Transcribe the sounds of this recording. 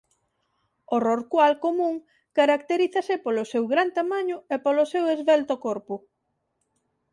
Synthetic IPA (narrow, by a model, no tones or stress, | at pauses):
oroɾkwalkomũŋ | kaɾak̚t̪eɾiθasɪpolosewɣɾant̪amaɲʊepolosewezβɛlt̪okoɾpʊ